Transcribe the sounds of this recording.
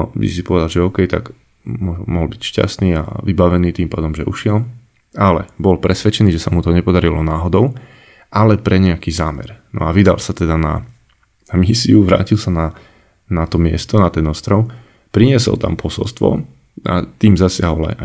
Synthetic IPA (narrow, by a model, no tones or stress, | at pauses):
ḭsi̥pɔʋɛd̪alʒɛɔʊkɛjt̪a̰ɡ | mɔmɔɦɔlbicʃca̰st̪niːa̰ʋibaʋɛniːt̪iːmpaːd̪ɔmʒɛʔṵʃɪɛl | alɛ̰bɔlpɾɛsʋɛt͡ʃɛniːʒɛsamut̪ɔɲɛpɔd̪aɾilɔnaːɦɔd̪ɔʊ | ʔalɛpɾɛɲɛakiːzaːmɛ̰ɾnɔ̰aʋid̪a̰lsat̪ɛd̪ana̰ | namisiuʋɾa̰ːcilsana | nat̪ɔmɪɛ̰st̪ɔnat̪ɛnɔst̪ɾɔʊ | pɾiɲɪɛsɔ̰lt̪a̰mpʰɔsɔ̰lst̪ʋɔ̰ | ʔa̰t̪iːmzasɪaɦɔla̰ja